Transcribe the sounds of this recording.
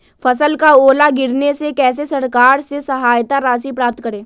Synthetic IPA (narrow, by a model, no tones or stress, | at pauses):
fɐsəlkaoːlaɡɪɾnesekɛːs̬esɐɾkaːɾsesɐɦaːjt̪aɾaːsipɾaːp̚t̪kəɾẽː